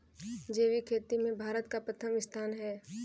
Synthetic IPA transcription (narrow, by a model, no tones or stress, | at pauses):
d͡ʒeːʋikʰeːt̪imẽbʱaːɾət̪kapɾət̪ʰəmɪst̪ʰaːnɦɛː